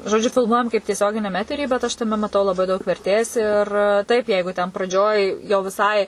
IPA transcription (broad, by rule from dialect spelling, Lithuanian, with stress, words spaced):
ʒoːˈd͡ʒʲʊ fʲɪlˠˈmuɔjɛm kɐɪp tʲiɛˈsʲoːɡʲɪnʲɛm ˈæːtʲɛrʲiː bʲɛt ˈɐʃ tɐˈmʲɛ mɐˈtɐʊ lˠɐˈbɐɪ dɐʊk ʋʲɛrʲˈtʲeːs ɪr ˈtɐɪp ˈjɛɪɡʊ tʲɛn prɐˈd͡ʒʲoːj jɛʊ ʋʲɪˈsɐɪ